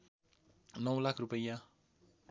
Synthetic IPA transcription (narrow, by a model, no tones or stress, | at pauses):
nɔwlakʰɾupəja